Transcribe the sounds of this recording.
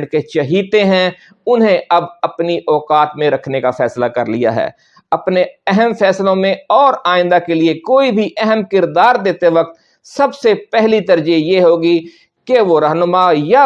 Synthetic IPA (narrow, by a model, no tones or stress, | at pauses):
ɖket͡ʃɐɦiːt̪eɦɛ̃ | ʊnɦẽɐbɐpniʔɔːkaːt̪mẽɾɐkʰnekafʰɛːslakɐɾlḭja̰ɦɛ̰ː | ɐpneɛɦɛmfʰɛːslõmẽɔːɾaːɪ̃nd̪akeliekoːibʱiʔɛɦəmkɪɾd̪aːɾd̪eːt̪eʋɐk̚t̪ | sɐbsepɛɦlit̪əɾd͡ʒijeːɦoːɡi | keʋoɾəɦnʊmaja